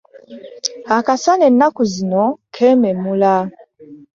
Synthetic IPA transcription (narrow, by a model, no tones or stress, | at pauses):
akasanɛnakuzinɔkʰɛmɛmula